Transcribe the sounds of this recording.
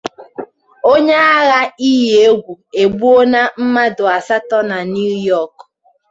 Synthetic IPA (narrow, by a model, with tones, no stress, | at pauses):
o˦ɲe˦a˦ɣa˦i˦ɦe˨e˦ɡʷu˨e˨ɡ͡bu˦o˦na˦m̩˦ma˦dʊ˨a˨sa˦tɔ˦na˨n˦u˦jɔ˦˨k